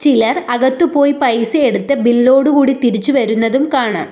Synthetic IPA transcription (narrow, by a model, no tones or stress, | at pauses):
t͡ɕilɐrɐɣɐt̪ːupo̞ːjipɐjsɨeɽut̪ːɨbilːo̞ːɽuɣuːɽit̪iɾit͡ɕːuʋɐɾunːɐðumkaːɳɨ̰